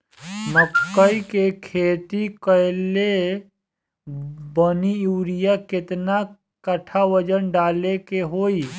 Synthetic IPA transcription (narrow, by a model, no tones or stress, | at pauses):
məkːəikekʰeːt̪ikəle | bənijuːɾijakɪt̪na | kəʈʰaʋəd͡ʒənɖaːlekeɦoːi